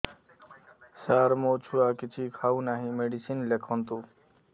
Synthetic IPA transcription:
saɾmot͡ʃʰuakit͡ʃʰikʰaunaɦĩmeɖisinlekʰɔnt̪u

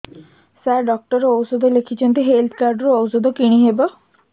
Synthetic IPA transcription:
saɾɖɔk̚ʈɔɾeowsod̪ʱɔlekʰit͡ʃʰɔnt̪iɦelt̪ʰkaɾɖɾeɔwsd̪ɔkiɽ̃iɦebɔ

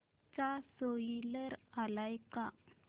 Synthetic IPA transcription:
t͡sasoiləɾalajka

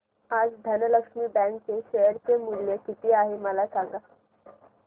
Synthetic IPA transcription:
ad͡zd̪ʱənələkʂmiːbɛ̃ŋk̚t͡seɕəjəɾt͡semuljəkit̪iaɦeməlasãŋɡa

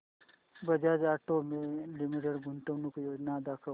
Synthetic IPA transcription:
bɐd͡ʒaːd͡ʒaːʈomẽlimiʈeɽɡʱunt̪əʋnukjoːd͡ʒnad̪aːkʰə

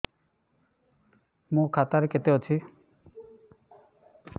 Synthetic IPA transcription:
mũkʰat̪aɾeket̪eot͡ɕʰi

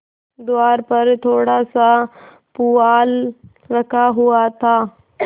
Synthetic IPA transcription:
d̪ʊaːɾpɐɾt̪ʰoːɽasa | puaːl | ɾɐkʰaɦuat̪ʰaː

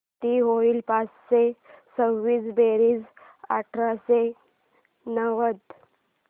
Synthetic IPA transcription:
t̪iːɦoilpat͡ssesəwːiːd͡zbeɾiːd͡z | a̰ʈʰɾase | nəʋət̪

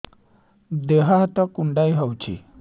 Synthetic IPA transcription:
d̪eɦaɦt̪akuɳɖajɦəwt͡ɕḭ

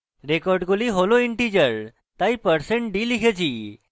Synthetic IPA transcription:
ɾekɔɾɖɡoliɦoloiɳʈid͡ʑəɾ | t̪aipəɾsẽɳʈ̚ɖiliɡed͡ʑiː

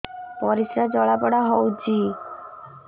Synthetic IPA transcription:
pɔɾisɾad͡ʒɔɭapəɽaɦɔud͡ʒi

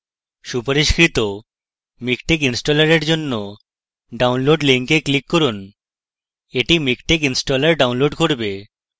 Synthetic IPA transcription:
ʃupaɾiʃkɾit̪o | mikʈek̬insʈolaɾeɾd͡ʑonːo | ɖawnloɖliŋkeklikːɔɾun | eʈimikʈek̬insʈolaɾɖawnloɖkoɾbe

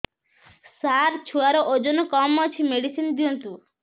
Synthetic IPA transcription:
saɾt͡ʃʰuaɾɔʔod͡ʒɔnukɔmːɔt͡ʃʰimeɽisind̪iɔnt̪u

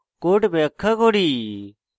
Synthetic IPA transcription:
koːʈbeːəkʰːaːkoːɽiː

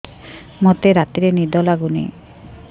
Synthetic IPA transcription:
mot̪eɾat̪iɾenid̪ɔlaɡunḛ

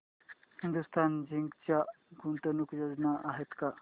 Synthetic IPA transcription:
hind̪ust̪ʰand͡ʑiŋɡt͡ɕja | ɡunt̪ənukjod͡znaʔaɦet̪ka

